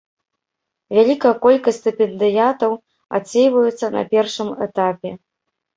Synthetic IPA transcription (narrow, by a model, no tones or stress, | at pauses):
vʲalʲikɐjɐkɔlʲkɐsʲt̪ɨpʲɛnd̪ɨjat̪ɐw | a̰t͡sʲːejvɐjut̪sːɐnɐ̰pʲɛrʂɨmɛ̰t̪apʲɛ